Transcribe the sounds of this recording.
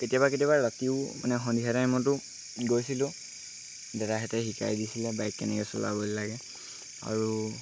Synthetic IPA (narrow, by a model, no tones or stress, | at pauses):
ketijaβaketijaβaɹatiʊma̰nɛxɔndiɦaɾamɔtʊ | ɡojsilʊ̃ | dɛɹaɦɛtɛhika̰jdisilɛbajkːɛnɛkɛsɔ̰la̰bɔllaɡɛ | a̰ɹu